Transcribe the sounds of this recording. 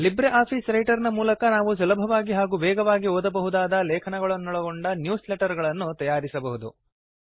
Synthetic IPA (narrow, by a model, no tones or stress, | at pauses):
libɾeʔaːpʰiːsɾɐjʈɐɾnɐmuːlɐkɐnaːʋus̬ɐlɐbʱɐʋaːɡiɦaːɡuːʋɛːɡɐʋaːɡiɔːd̪ɐbɐɦud̪aːd̪ɐlɛːkʰɐnɐɡɐɭɐnːɔɭɐɡoɳɖɐnjuːsleʈɐɾɡɐɭɐnːut̪ɐjaːɾisɐbɐɦud̪u